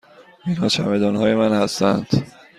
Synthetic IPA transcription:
inhɒːt͡ʃʰæmed̪ɒːnɦɒːje̞mænhæst̪æ̰nd̪̥

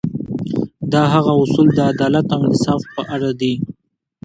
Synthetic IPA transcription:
d̪ɑɦaɣaʊsuld̪əad̪ɑlat̪ɪŋnɪsɑfpəʔaɽad̪i

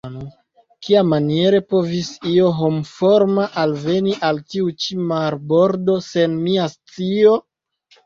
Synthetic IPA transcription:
no | kiamanie̞ɾe̞po̞visio̞ɦomfo̞ɾmaʔalve̞niʔaltiut͡ʃimaɾbo̞ɾdo̞se̞nmiast͡sio̞

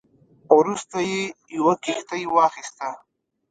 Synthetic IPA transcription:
wɾust̪ajejawakixt̪ajwɑxist̪a

